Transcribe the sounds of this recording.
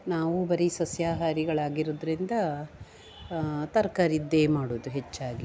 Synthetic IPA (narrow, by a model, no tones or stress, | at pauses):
naːʋubɐɾisɐsjaːɦaːɾiɡɐɭaːɡiɾoːd̪ɐɾind̪ɐ | t̪ɐɾkaːɾid̪ːe̞ːmaːɽuːd̪uɦet͡ʃːaːɡi